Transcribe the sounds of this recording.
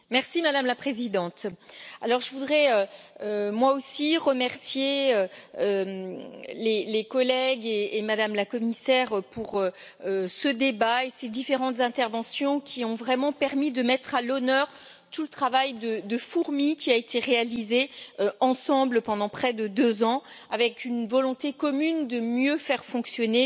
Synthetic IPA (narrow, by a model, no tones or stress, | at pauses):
mɛʁsimad̪amlapχezid̪ɑ̃t̪a̰lɔʁʒəvud̪ʁɛøømwaosiʁəmɛʁsjeøømlelekɔlɛɡeːmad̪amlakɔmisɛʁpuʁø | øsəd̪ebaesed̪ifeʁɑ̃t̪zɛ̃t̪ɛʁvɑ̃sjɔ̃kʲʰiɔ̃vʁɛmɑ̃pɛʁmid̪əmɛt̪χalɔnœːʁ | t̪ulət̪χavajd̪əd̪əfuʁmikʲiaet̪ʰeʁealizeøɑ̃sɑ̃bləpɑ̃d̪ɑ̃pχɛd̪əd̪øzɑ̃ | avɛkynvɔlɔ̃t̪ekɔmynd̪əmjøfɛʁfɔ̃ksjɔne